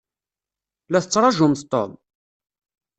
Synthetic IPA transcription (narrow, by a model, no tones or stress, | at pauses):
læθət͡sːɾˤɑʒʊmθt̪ːo̰m